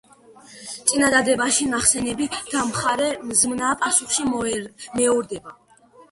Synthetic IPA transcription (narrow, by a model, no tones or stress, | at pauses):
t̪sʼinad̪ad̪ɛbaʃinaχsɛnɛbid̪̥amχaɾɛmzmnaːpʼasuχʃimɛɔɾd̪ɛba